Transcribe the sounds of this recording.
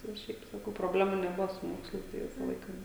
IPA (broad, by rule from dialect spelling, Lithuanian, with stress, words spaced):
tɐɪ jɛʊ ˈʃʲɛɪp sɐˈkɐʊ proːˈbʲlʲæːmuː nʲɛˈbʊʋoː sʊ ˈmoːkslˠɐɪs tɐɪ ˈʋʲɪsɐ ˈlˠɐɪkɐ